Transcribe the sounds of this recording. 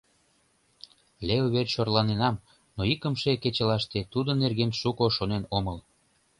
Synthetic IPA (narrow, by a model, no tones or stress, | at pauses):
leuβerɕorlɑnenɑm | noikə̆mʃeket͡ɕəlɑʃt̪et̪ud̪ənerɣenʃukoʃonenoməl